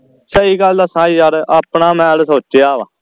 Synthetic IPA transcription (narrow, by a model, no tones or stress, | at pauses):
səiːɡəld̪aːsãːiːd͡ʒaɾaːpnaːmɛ̃ːlsoːt͡ʃeaːʋã̰ː